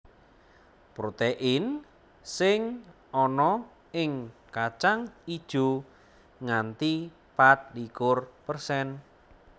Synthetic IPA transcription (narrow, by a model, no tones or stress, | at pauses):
pɾot̪eʔɪn | sɪŋ | ɔnɔ | ɪŋkat͡ʃaŋid̥ʒ̥ṳ | ŋant̪i | pat̪̚likʊrpərsɛn